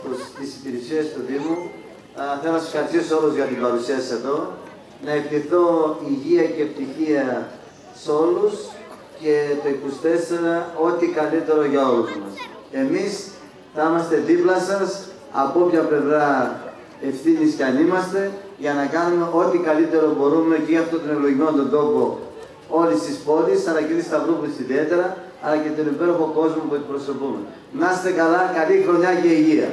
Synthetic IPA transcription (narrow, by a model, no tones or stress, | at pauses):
opost̪isipiɾisiest̪uðimu | θɐmɐse̥xɐɾist̪isoluzʝɐt̪ibɐɾusiɐse̞ðo̞ | nɐektiθo̞iʝiɐcept̪içiɐ | so̞lus | ce̞t̪o̞ikust̪e̞seɾɐo̞t̪ikɐlit̪e̞ɾo̞ʝɐo̞luzmɐs | e̞mis | θɐimɐst̪e̞ðiplɐsɐs | ɐ̰po̞pçɐple̞vɾɐ | e̞fθinisceɐnimɐst̪e̞ʝɐnɐkɐnume̞ʔot̪ikɐlit̪e̞ɾo̞bo̞ɾume̞ceiɐft̪ot̪onevlo̞ʝimo̞nt̪o̞nd̪o̞po̞ | o̞list̪ispo̞lisɐlɐcenist̪ɐvɾoput̪i̥siðie̞t̪e̞ɾɐ | ɐlɐce̞t̪onipe̞ɾo̞xo̞ko̞zmopue̞t̪ipɾo̞so̞pume̞̰ | nɐst̪e̞kɐlɐkɐlixɾo̞ɲɐce̞iʝiɐ̰